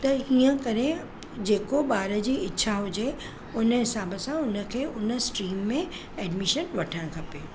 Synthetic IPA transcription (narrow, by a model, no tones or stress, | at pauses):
t̪ɐɦiːə̃kɐɾẽ | d͡ʑeːkoɓaːɾə̆d͡ʑiːɪtːɕʰaɦʊd͡ʑe | ʊnə̆ɦɪsaːbəsãʊnə̆kʰeːʔʊnə̆sʈɾiːmːẽ | ɛːɖmɪʃənʋɐʈʰəɽ̃kʰɐpeː